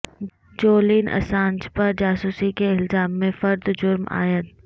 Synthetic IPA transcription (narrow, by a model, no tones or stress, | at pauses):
d͡ʒoːliːnʔɐ̰sãːnt͡ʃpɐɾd͡ʒaːsuːsikeɪlzaːmːẽfɐɾd̪d͡ʒʊɾma̰ːjət̪̚